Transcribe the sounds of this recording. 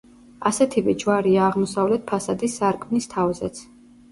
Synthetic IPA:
asɛt̪ʰivɛd͡ʒwaɾiaːʁmɔsavlɛt̪̚pʰasad̪isːaɾkʼmnist̪ʰavzɛt̪sʰ

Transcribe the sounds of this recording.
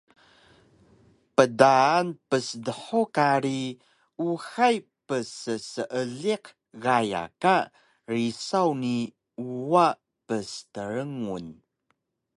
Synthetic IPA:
pədaːnpəsdəħokaɾi | uxajpəsəsəʔəɮiq | ɣaja̰ka | risawni | uwa | pəstəɾəŋun

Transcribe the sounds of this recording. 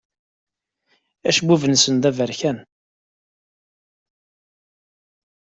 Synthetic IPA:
æ̰ʃbuvənsənd̪ævəɾçæn

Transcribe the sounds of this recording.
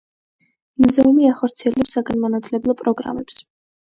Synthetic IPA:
muzɛumiaχɔɾt̪sʰiɛlɛpsaɡanmanat̪ʰlɛblˠɔpʼɾɔɡɾa̰mɛps

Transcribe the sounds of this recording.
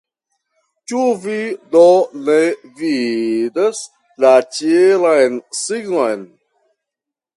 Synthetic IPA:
t͡ʃuvidonevid̪as | lat͡ʃielajnsiɡnojn

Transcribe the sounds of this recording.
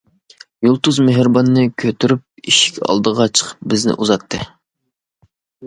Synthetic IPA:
julˠt̪uzmeɦɾbɑnːɨkʲʰøt̪yɾyp̚iʃi̥kʲɑ̰lˠd̪əʁɑt͡ʃʰə̥qʰə̥p̚bɪznɪ̰ʔuzɑt̪ʰːɨ̰

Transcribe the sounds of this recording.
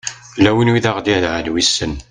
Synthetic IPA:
lːæwənwiðaʁd̪iðʕənwisːən

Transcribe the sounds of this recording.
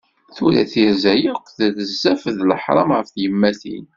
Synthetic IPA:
θuɾæ̰θiɾzæjiqʷːðæðəzːæfðləħɾˤɑ̰mʁəfθjəmːæθḭn

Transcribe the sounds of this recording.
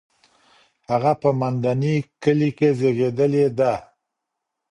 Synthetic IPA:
haɣapəmand̪anikəlikezeɣed̪əled̪a

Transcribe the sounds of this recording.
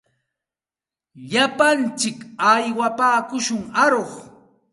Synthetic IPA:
ʎapant͡ʃɪkajwapaːkʊʃʊŋaɾoχ

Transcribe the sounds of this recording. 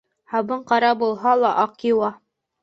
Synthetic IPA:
hɑβɤɴqɑɾɑbulˠɦɑlˠɑʔɑqiwɑ

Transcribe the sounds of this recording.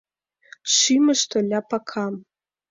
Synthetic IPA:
ʃiməʃt̪olʲapakʰɑm

